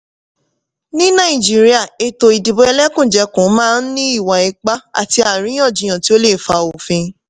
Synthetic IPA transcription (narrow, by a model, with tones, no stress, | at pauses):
nĩ˦nã˦˨i˨d͡ʒi˦ɾi˦a˦˨e˧to˧i˨di˨bo˧˦ɛ˧lɛ˦kũ˦˨d͡ʒɛ˧˦kũ˨˦mãː˦˧˦n̩˦nĩ˦i˦˨wa˨i˨˧k͡pa˦a̰˦˨ti˧a˨ɾĩ˨˦j̃ɔ̃˦˨d͡ʒĩ˨j̃ã˨ti˦o˦le˦˨fa˧o˨fĩ˧